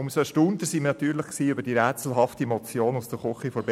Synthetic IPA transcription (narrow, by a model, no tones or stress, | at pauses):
ʊmsoʃtund̪əsimnɑt̪yːɾləχksiːʏbəɾd̥iɾɛːt͡sl̩ɦɑftimɔt͡sjoːnusd̥əɾχʊχifɔɾb